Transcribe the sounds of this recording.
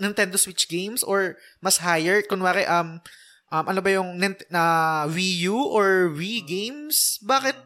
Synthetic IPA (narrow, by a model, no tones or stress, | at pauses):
nɪnt̪ɛnd̪oswɪt͡ʃɡejmsʔoɹmɐshajɛɹkʊnwaːkɐʔ̪ʔɐm | ʔɐmʔɐnobɐjʊŋnɪnt̪ɐvijuʔoɹviɡejmsbaːkɪt̪̚